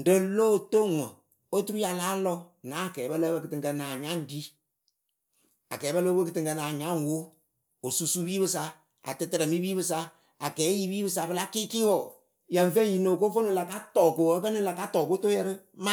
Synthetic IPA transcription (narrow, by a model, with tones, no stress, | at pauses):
n˨də˨˦loː˦˨to˦˨ŋɔ˨ | o˦tu˦ɾu˦ja˨laː˦lɔ˦ | naː˨˦˨kɛː˨˦bə˦lə˦bə˧˦kɨ˨tɨ˨ŋkə˧naː˨ɲa˦n˦di˦ | a̰˨kɛː˨˦bə˦lo˦bə˦kɨ˧tɨ˨ŋkə˧naː˨ɲa˦ŋ˨wo˦ | o˨su˨su˦biː˦βɨ˧sa˧ | a̰˨tɨ˨˧tɨ˨ɾə˨mi˦biː˦bɨ˧s̬a˦ | a˨kɛː˨˦ji˦biː˦bɨ˧sa˧bɨ˧˦la˦ki˦ki˦wɔ˨ | jə˨ɱ˨fe˦˨ji˨no˨ko˦fo˦no˨la˨ka˦tɔː˨ko˨ə˦kə˦nɨ˦la˨ka˦tɔ˨ko˦to˦jɛ˧ɾɨ˦ma˦